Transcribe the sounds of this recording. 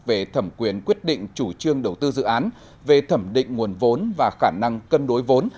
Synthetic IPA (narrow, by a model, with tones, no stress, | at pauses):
ve˨˩t̪ʰə˧˩mkwi˨˩ənkwi˦˥ət̚ɗḭ̈˧˨ŋ̟t͡ɕu˧˩t͡ɕɨ˧əŋɗə˨˩wt̪ɨ˧zɨ̰˧˨ʔaː˨˦n | ve˨˩t̪ʰə˧˩mɗḭ̈˧˨ŋ̟ŋu˨˩ənvo˨˦nvaː˨˩xaː˧˩na˧ŋkə˧nɗo˨˦jvo˨˦n